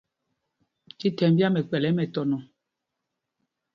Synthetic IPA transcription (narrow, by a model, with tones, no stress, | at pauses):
ti˦tɛ˨˦m˦bja˦mɛ˨k͡pɛ˨lɛ˨˦mɛ˨tɔ˨nɔ˨